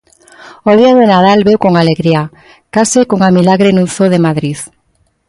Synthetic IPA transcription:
oðiaðenað̞alβewkoŋaleɣɾia | kasekoŋamilaɣɾenũnθoðemaðɾiθ

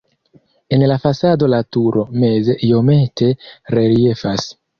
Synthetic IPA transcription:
e̞nlafasado̞latuɾʔo̞me̞zeʔijo̞me̞tʰe̞ɾe̞lie̞fas

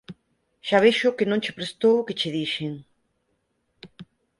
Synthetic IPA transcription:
ʃaβ̞eʃʊkɪnõŋt͡ʃepɾest̪owket͡ʃɪðiʃeŋ

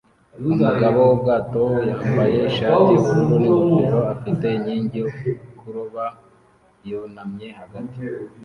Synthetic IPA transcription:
umuɡaβoob̚ɡaːtojaːmbaje̞iʃaːtikuɾuniukiɾo̞afite̞ɲiːɲɟokuɾoβa | jonamɲe̞haɡati̥

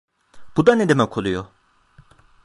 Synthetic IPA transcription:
b̥ud̪aned̪emɛkʰolˠujo

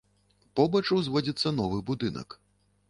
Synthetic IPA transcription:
pɔbɐt͡ʂɐwzvɔd͡zʲit̪sːɐn̪ɔvɨbud̪ɨnɐ̰k

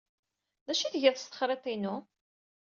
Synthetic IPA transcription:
ðæʃiθʝəðθəst̪ə̥χɾˤet̪ˤinu

